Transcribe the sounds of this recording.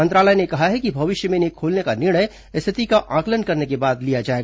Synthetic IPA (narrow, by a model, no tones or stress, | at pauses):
mɐ̃nt̪ɾaːləjnekɐɦaɦɛkibʱɐʋɪʃjəmẽneːkʰoːlnekanɪɾɽ̃əj | ɪst̪ʰɪt̪ikaʔãːklənkɐɾnekebaːd̪lijad͡ʒaːeːɡa